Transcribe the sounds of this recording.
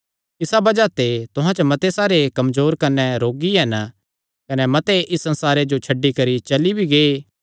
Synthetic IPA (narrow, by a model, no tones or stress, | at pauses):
ɪsabɐd͡ʒat̪et̪ʊɦãt͡ʃɐmɐt̪esaːɾekɐmzoːɾkɐnɛɾoːɡiɦɛn | kɐnɛmɐt̪eʔɪsːɐ̃nsaːɾed͡ʒot͡ʃʰɐɖːikɐɾit͡ʃɐlibʱiɡeːe